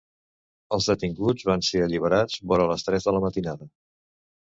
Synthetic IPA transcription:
əlˠzðət̪iŋɡud͡zβanseəʎiβ̞əɾad͡zβɔɾələst̪ɾɛzðələmət̪inaðə

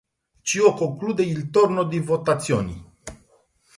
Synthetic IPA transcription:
t͡ʃiokoŋkluːd̪eilt̪ornod̪ivot̪at̪sːjo̰ːni

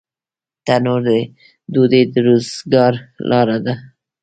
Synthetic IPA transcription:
t̪anoɾd̪ə | d̪ud̪ed̪əɾozɡɑɾlʔɑɾad̪a

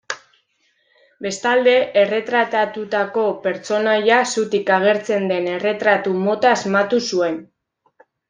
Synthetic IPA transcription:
be̞st̪ald̪e̞ʔere̞t̪ɾat̪at̪ut̪ako̞pe̞ɾt͡so̞najasut̪ikaɣ̞e̞ɾt͡se̞nd̪e̞ne̞re̞t̪ɾat̪umo̞t̪aːzmat̪usue̞n

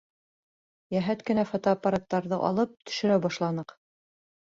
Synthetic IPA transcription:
jæɦæt̪kɘ̆næfɑt̪oɑpːaɾat̪ːɑɾðɤʔɑ̰lˠɤp̚t̪ɵ̥̆ʃɘ̆ɾæwbɑʃlˠɑnɤq

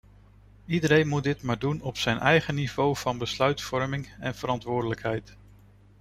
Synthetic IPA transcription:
idəɾejnmut̚dɪtmaːɹdunɔpsɛjnʔɛjχəniv̥owv̥ɑnbəslœɥtfɔɹmɪŋɛnv̥əɾɑntʋʊːɹdələkɦɛjt

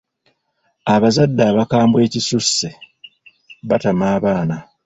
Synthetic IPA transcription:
aβazadːaːβakaːmbwe̞ːcisusːe | βatamaːβaːna

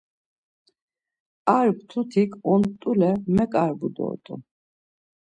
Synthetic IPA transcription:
aɾb̚t̪ʰut̪ʰikʰʼɔnt̪ʼulɛmɛkʼaɾbud̪ɔ̰t̪ʼṵ

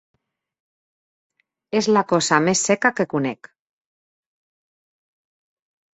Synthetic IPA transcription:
ezlakɔzamesːɛkakekunɛk

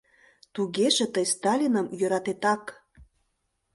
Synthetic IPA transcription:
t̪uɣeʒĕt̪əjst̪ɑlʲinəmjø̆ɾɑt̪et̪ɑk

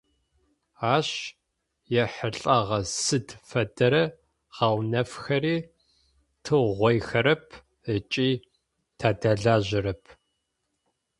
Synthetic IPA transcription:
aːɕ | jɛħəɬʼɐʁɐsɨdfɐdɐɾɐ | ʁ̥ɑwnɐfxɐriː | tʰɨʁʷɔjxɐɾɐpʰ | ət͡ʃʼiː | tʰaːdaɮaːʑɪɾɐpʰ

